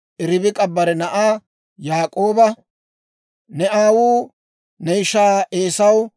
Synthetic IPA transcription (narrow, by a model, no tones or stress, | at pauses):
ʔɪɾɪbɪkʼɐbːɐɾɛnɐʔaː | jaːkʼo̞ːbɐ | nɛʔaːwuː | nɛɪʃaːeːsɐw